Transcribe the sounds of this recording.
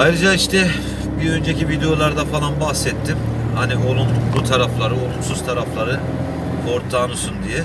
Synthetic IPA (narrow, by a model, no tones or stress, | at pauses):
ajɾɯd͡ʒaiʃt̪ʰɛ | biø̞nd͡ʒe̞civid̪ejo̞lˠaɾd̪afalˠanbahsɛt̪ʰːimhaniolˠunbut̪ʰaɾaflˠaɾɯo̞lˠunsuz̥t̪ʰaɾaflˠaɾɯ | kʰo̞ɾt̪ʰːaːnusund̪ijɛ